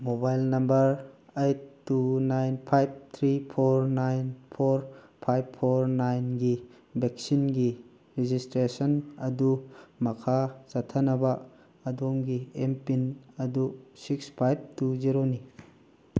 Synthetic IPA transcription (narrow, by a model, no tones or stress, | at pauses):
mobajlnɐmbɐɾejtːunajnpʰajb̚t̪ʰɾipʰoɾnajnpʰoɾpʰajbpʰːoɾnajnɡi | bek̚sinɡi | ɾid͡ʒistɾesɐnɐdumɐkʰasatʰːɐnɐbɐː | domɡiempinɐdusikspʰajb̚tuziɾoni